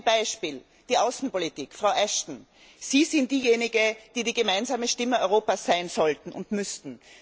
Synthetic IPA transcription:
nb̥aɪʃpiːl | d̥iːʔaʊsn̩politiːkfʁ̥aʊʔɛʃtn̩ | z̥iːzɪnt̚d̥iːjeːnɪɡəd̥iːdiːɡəmaɪnzaːməʃtɪməɔʏʁoːpasːaɪnz̥ɔltn̩ʊ̰ntmʏstn̩

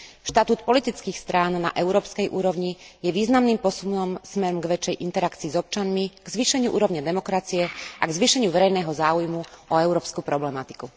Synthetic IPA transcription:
ʃt̪at̪uːt̪pɔlit̪it͡skiːxst̪ɾaːnna̰ʔɛʊɾɔːpskɛjʔṵːɾɔʋɲijɛʋiːznamniːmpɔsumɔmsmɛɾɔmɡʋɛt͡ʃɛjʔint̪ɛɾakt͡siːzɔp̚t͡ʃanmiɡzʋiːʃɛɲɪuʔṵːɾɔʋɲad̪ɛmɔkɾat͡siɛʔaɡzʋiːʃɛɲɪuʋɛɾɛjnɛːɦɔzaːujmuʔɔɛʊɾɔːpskupɾɔblɛmat̪i̥ku

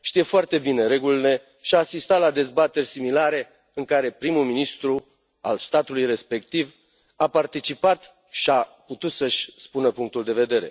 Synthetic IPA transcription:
ʃt̪ijefoart̪e̞bine̞ɾe̞ɡuline̞ | ʃiaːsist̪at̪lad̪e̞zbat̪e̞rʲsimilaɾe̞ | ɨŋkaɾe̞pɾimulminist̪ɾu | a̰lst̪at̪ulujre̞spe̞k̚t̪iv | apart̪it͡ʃipat̪ | ʃiaput̪ut̪səʃʲspunəpuŋk̚t̪uld̪e̞ve̞d̪e̞ɾe̞̰

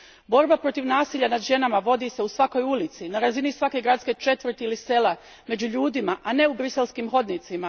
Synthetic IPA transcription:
bo̞ɾbapɾo̞t̪iʋnaːsiʎanad̪ʒe̞namaʋo̞d̪ise̞usʋako̞julit̪sinaɾazinisʋake̞ɡɾat̪ske̞t͡ʃe̞t̪ʋr̩t̪ilise̞le | me̞d͡ʑuʎuːd̪imaʔane̞ubɾise̞lˠskimxo̞d̪nit̪sima

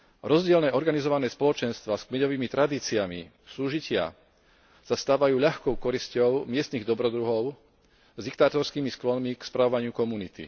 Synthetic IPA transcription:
ɾɔzɟɪɛlnɛːɔɾɡanizɔʋanɛːspɔlɔt͡ʃɛnst̪ʋaːskmɛɟɔʋiːmit̪ɾad̪iːt͡siamḭ | suːʒicɪa̰ | sast̪aːʋajuːʎaxkɔʊkɔɾiscɔʊmɪɛst̪niɣd̪ɔbɾɔd̪ɾuɦɔʊ | zd̪ikt̪aːt̪ɔɾskiːmisklɔnmikspɾaʋɔʋaɲɪukɔmunit̪ḭ

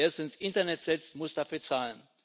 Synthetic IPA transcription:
eɐsɪnsʔɪntɐnɛtz̥ɛt͡stmʊsd̥afyːɐt͡saːlən

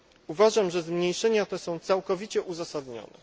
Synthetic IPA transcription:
uvaʐamʐɛzmɲejʂɛɲat̪ɛsɔ̃w̃t̪sawkɔvʲit͡ɕɛʔuzasad̪ɲɔ̰nɛ̰

